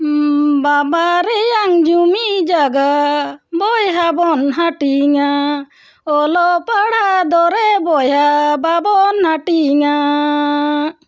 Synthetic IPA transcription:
babaɾɛjaŋd͡ʒumid͡ʒaɡabɔjɦabɔnɦaʈiŋa | ɔlɔpaɽad̪ɔɾɛbɔjɦababɔnhaʈiŋa

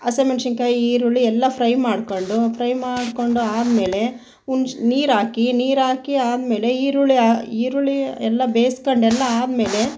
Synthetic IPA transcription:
ɐsemɐnʃiŋkɐiːɾuɭiɛlːɐpʰɾɐjmaːɽkoɳɖupʰɾɐjmaːɽko̞ɳɖuaːd̪me̞ːle̞ | unniːɾaːkiniːɾaːkiaːd̪me̞ːle̞iːɾuɭiaiːɾuɭiɛlːɐbeːskoɳɖɛlːɐaːd̪me̞ːle̞

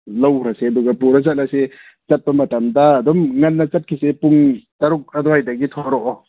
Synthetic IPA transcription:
lɐwɾɐseɐduɡɐpuɾɐzɐt̚lase | t͡ʃɐt̚pɐmɐtɐmdɐːdɔmŋɐnːɐt͡ʃɐt̚kʰisepuŋtɐɾuk̚ɐdɔhajdɐɡitʰɔɾɔʔɔ

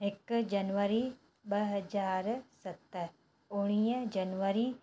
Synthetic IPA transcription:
ɪkd͡ʒɐnʋəɾi | ɓɐɦɐd͡ʒaːɾsɐt̪əɾ | ʊɽ̃iːəd͡ʒɐnʋəɾiː

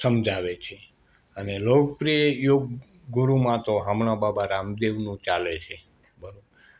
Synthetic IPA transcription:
səmd͡ʒʱaʋet͡ʃʰe | ənelok̚pɾijejoɡ | ɡuɾumãt̪oɦamɳababaɾamd̪eʋnũt͡ʃalet͡ʃʰe | bəɾobɾ

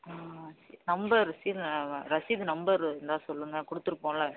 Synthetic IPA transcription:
asinɐmbɐɾsiːlɾɐsɪd̪nɐmbɐɾɛnd̪aːsɔlːɯŋɡɐkɔɽɯt̪ːɯɾɯpːõːlaː

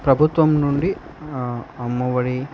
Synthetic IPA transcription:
pɾɐbʱut̪ʋɐmnuɳɖi | ɐmːɐʋɐɽi

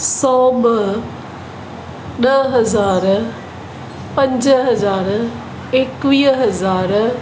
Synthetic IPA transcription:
sɔːbə | nəɦəzaːɾ | pə̃ɲd͡ʒɦəzaːɾ | ekʋiːɦəzaːɾ

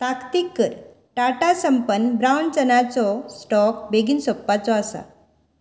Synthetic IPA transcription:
t̪akt̪ikːəɾ | ʈaʈasəmpənbɾawɳt͡sənat͡sɔsʈɔkbeɡinsopːat͡sɔasa̰

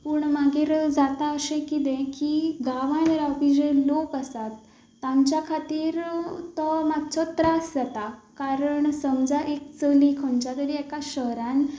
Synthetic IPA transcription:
puːɳmaɡiːɾd͡zat̪aəsẽkit̪̬ẽkiɡaʋãnɾapid͡ʑẽlokasat̪ː | ãmt͡ɕjakʰat̪iːɾt̪ɔmaɡt͡sɔt̪ɾasd͡zat̪akaɾəɳsəmd͡zaʔekt͡səlikʰənt͡ɕat̪əɾiɛkaɕəɦɾãn

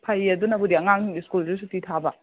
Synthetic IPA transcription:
pʰajɐdunɐbudiɐŋaŋiskulzisutitʰabɐ

